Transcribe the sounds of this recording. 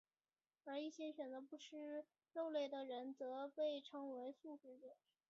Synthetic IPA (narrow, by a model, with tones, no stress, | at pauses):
ə˞˧˥i˥˩ɕjɛ˥ɕɥɛ˨˩nt͡sɤ˧˥pu˧˥ʂɻ̩˥˧ | lo˥˧ʊle˥˩ɪd̪ə˩ɻə˧˥nt͡sɤ˧˥pe˥˩ɪʈ͡ʂʰɤ˧˥ŋwe˧˥ɪsu˥˩ʈ͡ʂɻ̩˥d̪ə˨˩